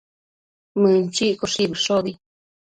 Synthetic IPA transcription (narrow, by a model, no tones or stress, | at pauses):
mɨ̃nt͡ʃiʔkoʂiβɨʂoði